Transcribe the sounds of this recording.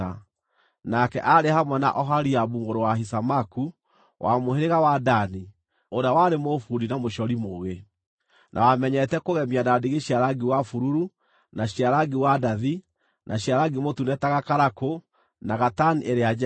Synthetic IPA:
a | nakɛʔaɾehamwɛna̰ʔɔɦaɾiaβuŋɡoɾowaɦisamaku | wʔamoheɾeɣawadani | oɾawaɾemofuɾinamoʃɔɾimoːɣe | nʔa̰wamɛɲɛtɛkoɣɛmiadadeɣeʃiaɾaɡiwafuɾuɾu | naɕiaɾaɡiwadaði | nʔaɕjaɾaɡimotunɛtaɣakaɾako | naɣataniʔeɾead͡ʒ

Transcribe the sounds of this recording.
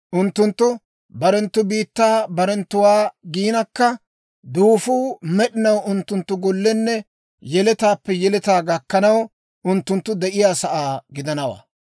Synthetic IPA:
ʔʊnt̪ːʊnt̪ːʊ | bɐɾɛnt̪ːʊbiːt̪ːaːbɐɾɛnt̪ːʊwaːɡiːnɐkːɐ | d̪uːfuːmɛɗɪnɐwʊnt̪ːʊnt̪ːʊɡɔlːɛnːɛ | jɛlɛt̪aːpːɛjɛlɛt̪aːɡɐkːɐnɐw | ʔʊnt̪ːʊnt̪ːʊd̪ɛʔɪjaːsɐʔaːɡɪd̪ɐnɐwa̰ː

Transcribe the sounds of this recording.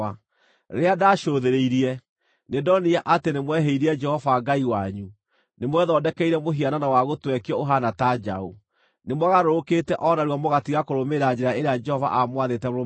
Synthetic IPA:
a | ɾeadaʃoðeɾeiɾiɛ | nedɔniaʔatenemwɛɦeiɾiɛd͡ʒɛhɔvaɡaiwaɲu | nemwɛðɔdɛkɛiɾɛmoɦiananawaɣotwɛkiɔoɦanatad͡ʒa̰o | nemwaɣaɾoɾokeːtɛʔɔnaɾwamoɣatiɣakoɾomeɾad͡ʒeɾaeɾead͡ʒɛhɔva̰ʔamwaðetɛoo

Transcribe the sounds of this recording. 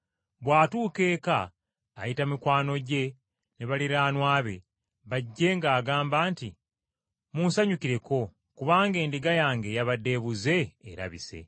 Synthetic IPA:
βwaːtuːke̞ːka̰ː | jitamikwaːno̞ɟe̞ | neβaliɾaːnwaːβe̞ | βaɟːe̞ŋɡaːɡaːmbaːnti | muːnsaɲukiɾe̞ko̞ | kuβaːŋɡe̞ːndiɡajaːŋɡe̞jaβadːe̞βuze̞̰ːɾa̰βḭsḛ

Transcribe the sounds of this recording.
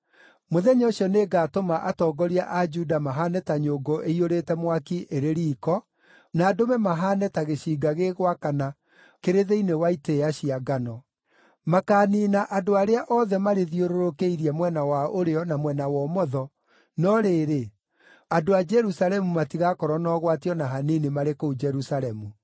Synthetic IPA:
moðɛɲɔɕɔneːɡaːtomaʔatɔːɡɔɾiaʔad͡ʒudamaɦanɛtaɲoːɡoʔeioɾetɛmwakiʔeɾeɾiːkɔ | naːdomɛmaɦaːnɛtaɣeɕiːɡaɣeɣwakana | keɾeðeinewaiteaɕiaɡanɔ | makaːninaʔadoaɾeaʔɔðɛmaɾeðioɾoɾokeiɾiɛmwɛnawaoɾeɔnamwɛnawɔmɔðɔ | nɔɾeːɾe | adoad͡ʒɛɾusalɛmumatiɣakɔɾɔnɔɣwatiɔnaɦaninimaɾekoud͡ʒɛɾusalɛmu

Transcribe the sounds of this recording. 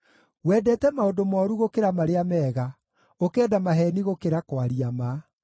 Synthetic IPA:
wɛdɛtɛmaodomɔːɾuɣokeɾamaɾeamɛːɣa | okɛːdamaɦɛniɣokeɾakwaɾiama

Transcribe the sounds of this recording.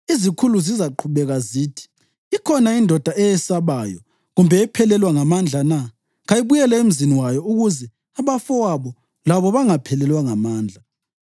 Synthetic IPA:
izikʰuluzizaǃʰuβɛɣaziːtʰi̥ | ikʰɔnaindʱɔd̥ʱaʔɛjɛsaβajɔ̰ | ɣumbʱɛːpʰɛlɛlwaŋamand͡ɮʱana | ɣajiβujɛlɛem̩ziniwajɔuɣuzɛ | aβafɔwaβɔ | laβɔβaŋapʰɛlɛlwaŋamaːnd͡ɮʱa

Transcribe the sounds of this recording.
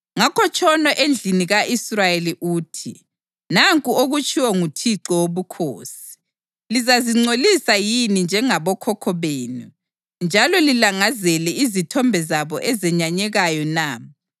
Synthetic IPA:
ŋakʰɔt͡ʃʰʼɔnɔʔend͡ɮʱiniɣaʔisrajeliʔuːtʰi | naŋkʼuoɣut͡ʃʰʼiwɔŋutʰiǁɔwoβukʰo̰ːsi̥ | lizaziŋ͡ǀolisajinind͡ʒʱɛŋaβɔkʰɔkʰɔβeːnu | nd͡ʒʱalɔlilaŋazɛlɛizitʰɔmbʱɛzaβɔʔɛzɛɲaɲɛɣajɔnaː

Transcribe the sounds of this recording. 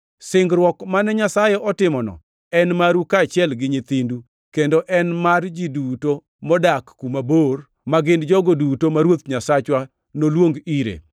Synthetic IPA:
sɪŋɡɾwɔkmanɛɲasajɛʔɔtɪmɔnɔ̰ | ɛnmaɾukat͡ʃɪɛlɡɪɲɪt̪indu | kendoʔɛnmard͡ʒiduto | mɔdakːumabor | maɡɪndd͡ʒɔɡodutomaɾwot̪ɲasat͡ʃwa | nolwoŋɡiɾḛ

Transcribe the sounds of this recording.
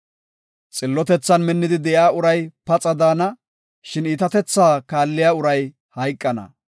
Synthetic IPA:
t͡sʼɪlːɔt̪ɛt͡sːɐnmɛnːɪd̪ɪd̪ɛʔjaːʊɾɐjpɐt͡sʼɐd̪aːnɐ | ʃɪniːt̪ɐt̪ɛt͡sːaːkaːlːɪjaːʊɾɐj | hɐjkʼːɐnɐ̰

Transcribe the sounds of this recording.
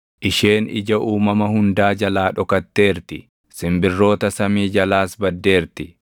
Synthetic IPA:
ʔɪʃe̞ːnɪ̰d͡ʒɐʔuːmɐmɐhʊnd̪aːd͡ʒɐlaːᶑɔkɐt̪ːe̞ːɾt̪ɪ | sɪmbɪrːo̞ːt̪ɐsɐmiːd͡ʒɐlaːsbɐd̪ːe̞ːɾt̪ɪ

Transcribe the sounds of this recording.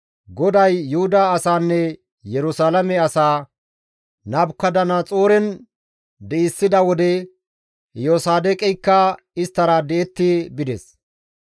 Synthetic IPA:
ɡɔd̪ɐjːʊhʊd̪aːsaːnːɛ | jɛɾʊsaːlɐmɛɐsaː | nɐbkːɐd̪ɐnat͡sʼoːɾɛn | d̪ɛɪsːɪd̪ɐwɔd̪ɛ | joːsaːd̪ɛkʼɛjkːɐ | ɪst̪ːɐɾɐd̪ɛɛt̪ːɪbɪd̪ɛs

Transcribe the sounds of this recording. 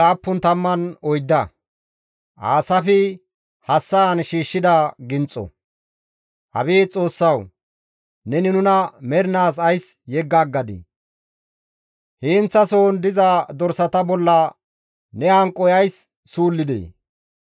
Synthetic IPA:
aːpːʊnt̪ɐmːɐnɔjd̪ːɐ | ʔaːsɐfɪ | hɐsːɐɐnʃiːʃːɪd̪ɐɡɪnt͡sʼɔ̰ | ʔɐ̰beːt͡sʼo̞ːsːɐw | nɛnɪnʊnɐmɛɾnaːs̬ɐjsjɛɡːaɡːɐd̪ɪ̰ | heːnt͡sːɐso̞ːnd̪ɪzɐd̪ɔɾsɐt̪ɐbɔlːɐ | nɛhɐŋkʼːɔjɐjsː | uːlːɪd̪ḛː

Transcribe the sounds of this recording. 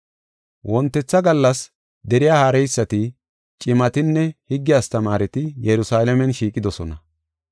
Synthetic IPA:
wʔɔnt̪ːɛt͡sːɐɡɐlːɐs | d̪ɛɾɪjaːhaːɾɛjsːɐt̪ɪ | t͡ʃʼɪmɐt̪ɪnːɛhɪɡːɪjaːst̪ɐmaːɾɛt̪ɪjɛɾʊsaːlɛmɛnʃiːkʼɪd̪ɔsɔnɐ

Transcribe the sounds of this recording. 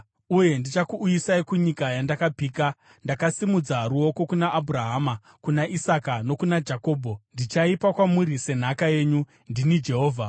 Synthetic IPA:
uje̞ndit͡ʃakuʔːjisaikuɲikajandakapiːka | ndakasimud͡zaɾuo̞ko̞kunaʔːbʱuraɦaːma | kunaʔisakano̞kunad͡ʒako̞ːbʱo̞ndit͡ʃaipakwamuɾise̞n̤akaje̞ːɲu | ndinid͡ʒe̞ɦo̞ːvʱa

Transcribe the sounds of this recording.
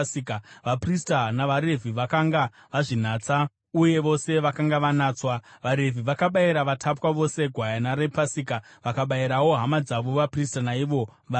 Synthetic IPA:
ikaʋapristanaʋaɾe̞vʱiʋakaŋɡa | ʋaʐin̤aːt͡sa | uje̞ʋo̞se̞ʋakaŋɡaʋanaːt͡swaʋaɾe̞vʱiʋakaɓaiɾaʋatʰapwaʋo̞se̞ɡʱwajanaɾe̞pasikaʋakaɓaiɾawo̞ɦamad͡zaʋo̞ʋapristanaiʋo̞ʋa

